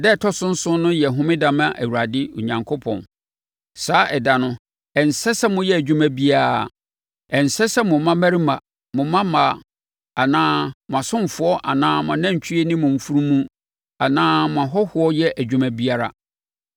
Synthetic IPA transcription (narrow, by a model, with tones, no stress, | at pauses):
dɛ˦˨tʰɔ˦sʊ̃˦n̩˦sʊ̃˦nʊ̃˦jɛ˨ɦʊ̃˦mɪ̃˦dã˨mã˦ʔæ˨wu˨ɾa˨dɪ˦ʊ̰˨ɲã˨ŋkʰʊ˦pʰɔ̰̃˨n | saː˨˦ʔɛ˨da˨nʊ̃˦ | ɛ˨n˨sɛ˦sɛ˦mʊ̃˦jɛ˦æ˨d͡ʑᶣu˦mæ˦bi˦a˨ | ɛ˨n̩˨sɛ˦sɛ˦mʊ̃˨˦mã˦mæ˦ɾi˦mã˨ | mʊ̃˨mã˦ma˨ | a˨nãː˦mʊ̃˨a˨sʊ̃˦m˨fʊ˦ɔ˦ʔa˨nãː˦mʊ̃˨nã˦˨ɲ˨t͡ɕʰi˦e˦nɪ̃˦mʊ̃˨m̩˨fu˦ɾũ˦mũ˦ | a˨nãː˦mʊ̃˨a˨ɦɔ˦hʊ˦ɔ˦jɛ˦ʔæ˨d͡ʑᶣu˨mæ̃˦bi˦a˦ɾa̰˨